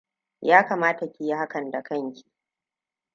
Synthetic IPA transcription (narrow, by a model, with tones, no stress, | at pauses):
jaː˦kaː˨maː˦ta˨kʲi˨ji˦ɦa˦kɐ˨nda˨kɐ˦ŋkʲi̥˨